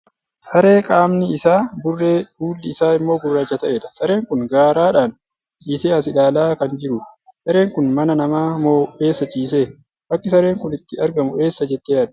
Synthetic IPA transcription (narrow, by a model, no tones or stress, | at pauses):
sɐɾe̞ːkʼaːmnɪːsaːbʊrːeːhuːlːɪːsaːɪmːo̞ːɡʊrːaːd͡ʒɐt̪ɐʔeːᶑɐ̥sɐɾe̞ːŋkʊnɡaːɾaːᶑaːn | t͡ʃʼiːseːɐsɪᶑaːlaːkɐnd͡ʒɪɾʊᶑsɐɾe̞ːŋkʊnmɐnɐnɐmaːmoːʔe̞ːsːɐt͡ʃʼiːs̬e̞ː | bɐkːɪsɐɾe̞ːŋkʊnɪt̪ːɪɐɾɡɐmʊʔe̞ːsːɐd͡ʒɛt̪ːeːjaːᶑɐ̥